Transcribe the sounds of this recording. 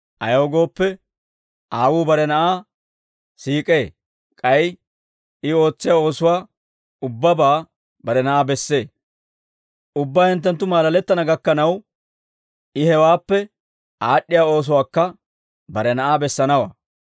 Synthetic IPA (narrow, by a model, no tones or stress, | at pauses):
ʔɐ̰jowɡo̞ːpːɛ | aːwuːbɐɾɛnɐʔaː | siːkʼe̞ː | kʼɐj | ɪo̞ːt͡sːɪjaːo̞ːsʊwaː | ʊbːɐbaː | bɐɾɛnɐʔaːbɛsːe̞ː | ʊbːaːhɪnt̪̬ːɛnt̪̬ːʊmaːlɐlɛt̪ːɐnɐɡɐkːɐnɐw | ʔɪhɛwaːpːɛ | aːɗːɪjaːo̞ːs̬ʊwaːkːɐ | bɐɾɛnɐʔaːbɛsːɐnɐwa̰ː